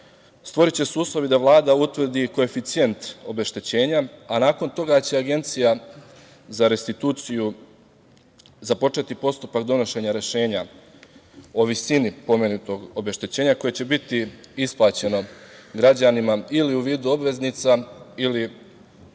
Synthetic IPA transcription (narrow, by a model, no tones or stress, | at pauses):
st̪ʋo̞ɾit͡ɕe̞suuːslˠo̞ʋid̪aʋlˠaːd̪aut̪ʋr̩d̪iko̞e̞fit̪sije̞nt̪o̞be̞ʃt̪et͡ɕe̞ːɲaanaːko̞nt̪o̞ɡat͡ɕe̞aɡe̞nt̪sija | zaɾe̞st̪it̪uːt̪siju | zapo̞t͡ʃe̞t̪ipo̞st̪upakd̪o̞no̞ʃe̞ɲaɾe̞ʃe̞ːɲa | o̞ʋisinipo̞menut̪o̞ɡo̞be̞ʃt̪et͡ɕe̞ːɲako̞je̞t͡ɕe̞bit̪iisplˠaːt͡ɕe̞no̞ɡɾad͡ʑanimailiuʋiːd̪uo̞bʋe̞zniːt̪saili